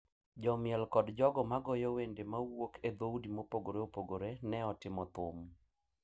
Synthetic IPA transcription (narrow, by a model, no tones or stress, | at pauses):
d͡ʒɔmɪɛlkɔdd͡ʒɔɡɔmaɡɔjɔwendemawokʰed̪owdimopoɡoɾeopoɡoɾenɛɔtɪmɔt̪ʊm